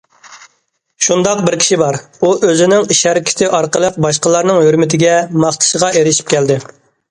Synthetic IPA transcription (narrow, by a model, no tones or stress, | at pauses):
ʃund̪ɑq̚bɪɾkʲi̥ʃibɑɾ | uʔøzɪnɪŋiʃhɛɾɪkʲʰɪ̥t̪ʰɪʔɑɾqəlˠəq̚bɑʃqəlˠɑɾnɨŋhøɾmɪt̪ʰɪɡʲɛmɑχt̪ʰɨ̥ʃəʁɑʔeɾɪʃi̥p̚kʲʰɛld̪ɪ